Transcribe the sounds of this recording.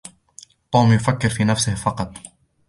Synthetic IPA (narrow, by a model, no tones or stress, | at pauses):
t̪ˤuːmjʊfakːɪɾfiːnafsɪhfɑqɑt̪ˤ